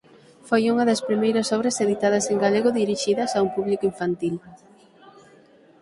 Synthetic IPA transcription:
fojuŋɐðɐspɾimejɾɐsɔβɾɐseðit̪að̞ɐseŋɡaleɣʊðiɾiʃiðɐsaumpuβlikoiɱfant̪il

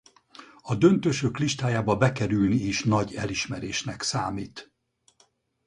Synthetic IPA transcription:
ɒd̪ø̞nt̪øʃøkliʃt̪aːjaːbɒbɛkɛɾylniːʃnɒɟɛliʃmɛɾeːʃnɛksaːmiːt̪

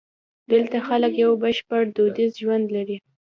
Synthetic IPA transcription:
d̪əlt̪axaləkjawbəʃpaɽd̪od̪izʒwand̪laɾi

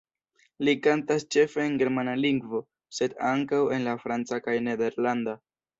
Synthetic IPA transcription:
likantast͡ʃe̞fe̞ːnɡe̞ɾmanaliŋɡvo̞ | se̞daŋkawe̞nlafɾant͡sakajne̞de̞ɾlanda

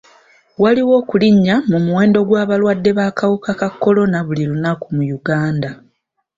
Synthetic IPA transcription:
waliwo̞ːkuliɲːamumuwe̞ːndo̞ɡwaːβalwadːe̞βaːkawukakakːo̞lo̞naβuliɾunakumujuɡaːnda

